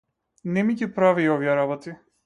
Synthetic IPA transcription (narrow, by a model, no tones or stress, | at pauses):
nɛmicipɾaviːɔviɛɾabɔt̪i